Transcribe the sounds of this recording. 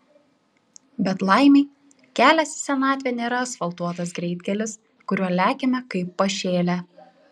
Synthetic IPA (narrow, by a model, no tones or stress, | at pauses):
bʲɛt̪lˠɑˑɪmʲɛɪ | kʲæːlʲɛsʲsʲɛnɑːt̪ʲʋʲeːnʲeːɾɐsfɐlˠt̪uɔt̪ɐsɡɾʲɛɪd̪ʲɡʲɛlʲɪs | kʊɾʲuɔlʲæːkʲemʲɛkɐɪpːɐʃʲeːlʲæ